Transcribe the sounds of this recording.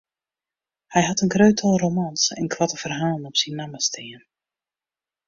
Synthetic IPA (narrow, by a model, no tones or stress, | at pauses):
hɛjɦɑtənɡrøːtʰɑlˠromansɛ̰nkʰwatəvərɦaːlˠənɔpsinːaməstɪən